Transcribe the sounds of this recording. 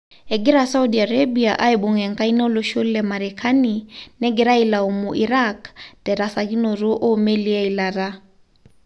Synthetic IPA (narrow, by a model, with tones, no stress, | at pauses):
ɛ˨ɡɪ˦ɾasa˦u˦dia˨ɾabiaʔa˦eɓo˨ŋɛ˨ŋka˦i˦na˦o˦loʃo˦llɛmaɾɛkʰaninɛɡɛ˨ɾa˦ilao˨mu˨ʔi˨ɾaktɛ˨ɾasaɣi˦no˨ɾo˦ʔo˦me˦lia˦ilaɾa